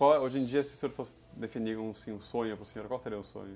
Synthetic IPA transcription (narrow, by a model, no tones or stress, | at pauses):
kwawɛoʒẽj̃d͡ʒiɐsɪʊ̥sẽoɾfosɪ̥d̪efinikõsĩũsõɲʊpɾʊseɲoɾkwawseɾiɐʊ̃sõ̰ɲʊ